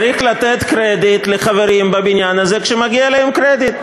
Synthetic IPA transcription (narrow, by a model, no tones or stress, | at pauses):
ɾiχlat̪et̪kɾed̪it̪leχaveɾimbabinjanazekʃemaɡialehemkɾed̪it̪̚